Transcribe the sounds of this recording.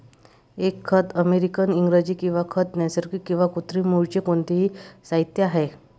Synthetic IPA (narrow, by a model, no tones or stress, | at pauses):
ekʰːət̪əmeɾikəniŋɡɾəd͡ʑiːkĩw̃ʋakʰət̪nɛsəɾkikːĩw̃ʋakut̪ɾimuɭt͡ɕekoɳt̪eɦisaɦit̪jaɦe